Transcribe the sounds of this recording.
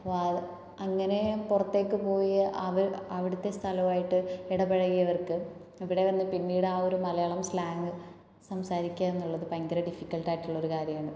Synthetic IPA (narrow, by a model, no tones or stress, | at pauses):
ɐŋːɐne̞purɐt̪ːe̞ːkːɨpo̞ːjɐɐʋɐɾɐʋiɽut̪ːe̞st̪ʰɐlɐmaːjiʈːɨeɽɐbɐɻɐɣijɐʋɐrkɨ | iʋiɽe̞ʋɐnːɨpinːiːɽɨaːo̞ɾumɐlɐjaːɭɐmslaːŋɡɨ | sɐmsaːɾikʲːaːe̞nːuɭːɐðɨpɐŋɡɐɾɐɖifikʲːɐlʈaːjiʈːuɭːo̞ɾukaːɾjɐmaːɳɖɨ